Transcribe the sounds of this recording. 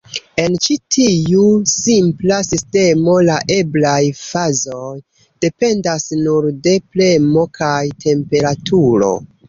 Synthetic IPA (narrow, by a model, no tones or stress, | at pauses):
e̞nt͡ʃitʰiusimplasiste̞mo̞laʔe̞blajfazo̞j | d̥e̞pe̞ndasnuɾde̞ple̞mo̞kʰajtʰe̞mpe̞ɾatʰuɾo̞̰